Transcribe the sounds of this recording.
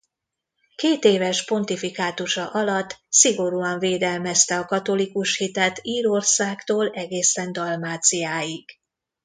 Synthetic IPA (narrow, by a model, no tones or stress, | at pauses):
keːt̪eːvɛʃpo̞nt̪ifikaːt̪uʃɒʔɒlɒt̪ːsiɡo̞ɾuɒɱveːd̪ɛlmɛst̪ɛɒkɒt̪o̞likuʃhit̪ɛt̪iːɾo̞rsaːkt̪oːlɛɡeːsɛnd̪ɒlmaːt̪sijaːjiɡ̥